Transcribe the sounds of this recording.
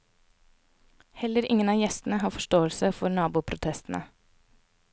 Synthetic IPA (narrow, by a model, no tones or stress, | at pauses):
hɛləɾʔɪŋənɑːjɛst̪n̩əhɑːfɔʃtoːəlsəfɔɾnɑːbuːpʰɾʊt̪ʰɛst̪n̩ʔə̰